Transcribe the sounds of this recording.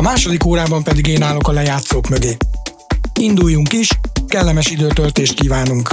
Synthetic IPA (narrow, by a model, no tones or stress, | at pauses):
ɒmaːʃo̞d̪ikoːɾaːbɒmpɛd̪iɡeːnaːlo̞kɒlɛjaːt̪soːkmøɡeː | ind̪ujːuŋkiʃkɛlːɛmɛʃid̪øːt̪ølt̪eːʃt̪kiːvaːnuŋk